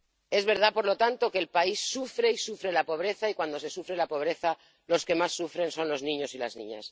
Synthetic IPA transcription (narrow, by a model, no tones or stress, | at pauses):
e̞zβe̞ɾð̞apo̞ɾlo̞t̪ant̪o̞ke̞ːlpaisːufɾe̞isufɾe̞lapo̞β̞ɾe̞θaikwand̪o̞se̞sufɾe̞lapo̞βɾe̞θa | lo̞ske̞masːufɾe̞nso̞nlo̞znĩɲo̞silaznḭ̃ɲa̰s